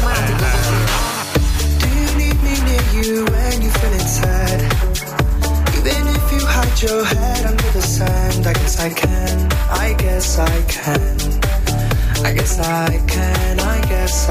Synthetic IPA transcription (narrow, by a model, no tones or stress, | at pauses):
d̥ɨjɨnid̚minɪɹjɨ | ɨ̃njɨfɪlɪ̃ŋsʰɛd̥ | ðɨ̃nɪfjɨhəd͡ʒə˞hɛ | ɾʌ̃ndə˞ðɨsæ̃ndaɪɡɛsaɪkʰɨ̃n | ʔaɪɡɛsaɪkʰɨ̃n | aɪɡɛsaɪkʰɨ̃ | naɪɡɛs